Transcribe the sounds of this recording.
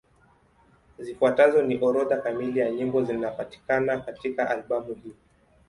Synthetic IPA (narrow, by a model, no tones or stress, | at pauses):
zifuatazɔniʔɔɾɔðakamilijaɲimbɔzinapati̥kanakatikaʔalɓamuhi